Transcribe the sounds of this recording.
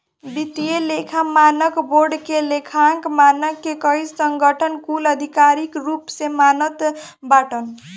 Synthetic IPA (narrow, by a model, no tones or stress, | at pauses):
bit̪ijelekʰamanʌkborɖkelekʰaŋkmanʌkːekʌjssʌŋɡʌʈʰʌnkulʌd̪ʱikaɾikrupsemanʌt̪baʈʌn